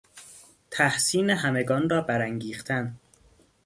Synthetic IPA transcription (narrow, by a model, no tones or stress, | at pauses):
t̪ʰæhsiːneɦæme̞ɡɒːnrɒːbæɾæŋɟiːxt̪ʰæn